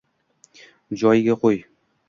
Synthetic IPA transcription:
d͡ʑɒjɡʲæqoj

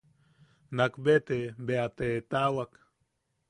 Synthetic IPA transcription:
nakbet̪ebeat̪et̪awak

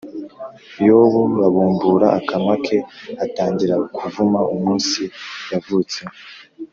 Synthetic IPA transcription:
joβuβaβuːmbuɾaakamakʰe̞ataːɲɟiɾakʰuvumaumuːnsijavuːt͡se

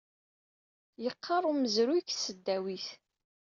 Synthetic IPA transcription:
jəqʰːɑrˤuməzɾuksəd̪ːæwiθ

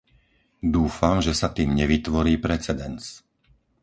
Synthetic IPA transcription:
d̪uːfamʒɛsat̪iːmɲɛʋit̪ʋɔɾiːpɾɛt͡sɛd̪ɛnt͡s

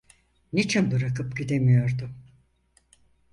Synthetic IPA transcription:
nit͡ʃʰinbɯɾakɯpɟid̪e̞mijo̞ɾd̪ʊ

